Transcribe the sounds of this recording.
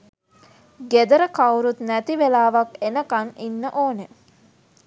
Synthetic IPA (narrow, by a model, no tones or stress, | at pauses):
ɡed̪əɾəkawɾut̪næt̪iʋelaːʋakenəkaninːəʔoːne